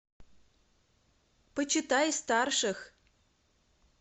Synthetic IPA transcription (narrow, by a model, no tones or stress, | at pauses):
pət͡ɕɪt̪ajst̪arʂɨx